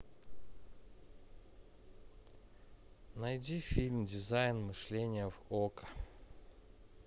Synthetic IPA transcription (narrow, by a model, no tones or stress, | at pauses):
nɐjdʲifʲilʲmdʲɪzajnmɨʂlʲenʲɪjəvokə̥